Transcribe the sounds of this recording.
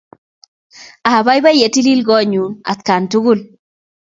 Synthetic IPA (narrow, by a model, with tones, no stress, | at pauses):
a˨ba˦jba˦je˨ti˦li˦lɡɔ˦ɲu˨na̰˨t̪̚ka˨ntu˦ɡu˦l